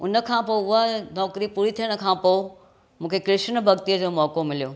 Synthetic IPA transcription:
ʊnə̆kʰãːpoːʊɦanɔːkɾipuːɾit̪ʰijəɽ̃̆kʰãːpoː | mũːkʰekɾɪʃnbʱɐɡt̪iəd͡ʑoːmɔːkomɪlijoː

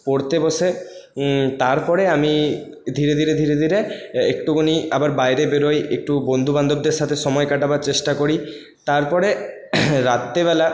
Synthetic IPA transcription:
poɾt̪eboʃe | t̪aɾpɔɾeami | d̪ʱiɾed̪ʱiɾed̪ʱiɾed̪ʱiɾeekʈuɡoniabaɾbajɾebeɾojek̚ʈubond̪ʱuband̪ob̚d̪eɾʃat̪ʰeʃɔmɔekaʈabaɾt͡ɕeʃʈakoɾi | t̪aɾpɔɾe | ɾat̪ːeβɛla

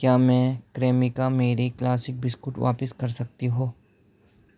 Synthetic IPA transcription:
kjaːmɛ̃ːkɾeːmɪkameːɾiklaːsɪk̚bɪskʊʈʋa̰ːpɪskɐɾsɐk̚t̪iɦoː

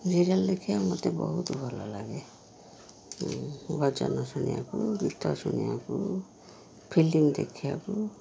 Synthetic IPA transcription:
ziɾaldekʰijamɔt̪ɛbɔɦut̪ɔbʱalalaɡɛ | bɔd͡ʒa̰nɔsunḭa̰kubitʰːɔsunijaku | pʰilimd̪ekʰijaku

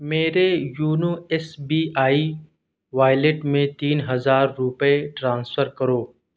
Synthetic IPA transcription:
meːɾejuːnuɛsbiːʔaːi | ʋaːɪleʈmẽt̪iːnɦɐzaːɾːʊpeʈɾãːnsfʰəɾkəɾoː

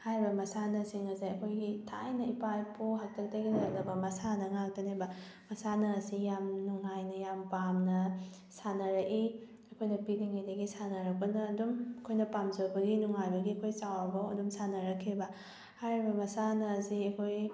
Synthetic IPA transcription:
hajɾibɐmɐsanɐsiŋɐsiɐkʰojɡitʰa̰jnɐipajpuɦak̚tʰɐk̚tɐɡiɐɐk̚nɐbɐmɐsanɐŋak̚tɐnajbɐ | mɐsanɐːsijamnuŋajnɐjampamnɐ | sanɐɾɐki | ɐkʰojnɐpiliŋajdɐɡisanɐɾɐk̚pɐnɐːdumɐkʰojnɐpamzɐwbɐɡinuŋajbɐɡiɐkʰojsawɐbɐwɐdumsanɐɾɐkʰːibɐ | hajɾibɐmɐsanɐsiɐkʰoj

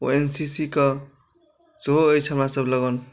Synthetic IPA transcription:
o̰ensisikʌ | soɦːjt͡sʰʌmãsʌblʌɡan

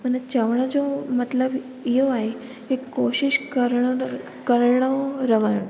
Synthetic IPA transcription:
pəɳt͡ɕəʋɳ̃ad͡zomət̪ləb | jeʋaɦe | ekːoɕiɕkəɾɳ | kəɾɳəɾəʋən

